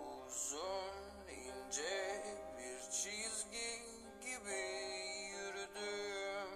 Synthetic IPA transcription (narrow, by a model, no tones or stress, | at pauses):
uzun | ind͡ʒɛbiɾt͡ʃʰizɡʲin | ɟibijyɾyd̪y